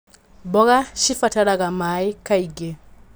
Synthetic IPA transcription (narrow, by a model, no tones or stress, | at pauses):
bɔɣaʃifataɾaɣamaːikaiɡe